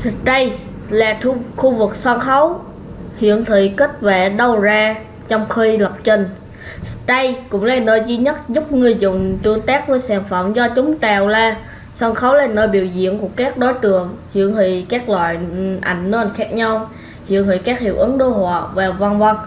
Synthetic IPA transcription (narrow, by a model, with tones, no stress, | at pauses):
stə˧j | laː˨˩˧xu˧vɨ˨˩k̚sɔ˧nxə˨˦w | hḭ˧˨ənt̪ʰḭ˧˨ki˦˥k̚vɛ˧˩ɗə˧˩wzaː˧ | t͡ɕɔ˧wŋ͡mxi˧lə˨˩wk͡p̚t͡ɕə˧˩ŋ | sɗ̪ə˧jkʊ̰˧˥ŋ͡mlaː˨˩nəː˧jzi˧ɲə˦˥t̚zʊ˦˥k͡p̚ŋɨ˧˩əjzʊ̰˧˨ŋ͡mt͡ɕɨ˧˩əŋt̪aː˦˥k̚vəː˨˦jsaː˧˩nfə̰˧˨mzɔ˧t͡ɕʊ˨˦ŋ͡mt͡ɕaː˨˩wlaː˧˩ | sɔ˧nxə˨˦wlaː˨˩nəː˧jɓi˧˩əwzḭ˧˨ənku˧˩əkaː˦˥k̚ɗo˨˦jt͡ɕɨ˨˩əŋhḭ˧˨əŋhḭ˧˨kaː˦˥k̚lwa̰ː˧˨jʔa˧˩jŋ̟nə̟˧˨˩xaː˦˥k̚ɲa˧w | hḭ˧˨ənhḭ˧˨kaː˦˥k̚hḭ˧˨əwʔɨ˨˦ŋɗo˧ɦɔ̰ː˧˨vaː˨˩və˧˩nvə˧ŋ